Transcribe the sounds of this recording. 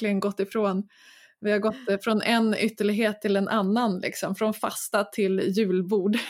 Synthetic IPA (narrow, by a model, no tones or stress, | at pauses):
klɪɡənɡɔt̪ːɪfɾoːn | vɪhaɾɡɔt̪ːfɾɔnʔɛnʏt̪ːəɭɪɡɦeːt̪ʰːɪlɛnʔanːanlɪ̰ksɔmfɾɔnfa̰st̪at̪ʰɪljʉ̟ːlbuːɖ